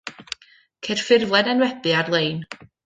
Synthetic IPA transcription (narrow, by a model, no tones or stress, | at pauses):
kʰerfɪrvlˠɛdɛnwɛbɨarlˠejn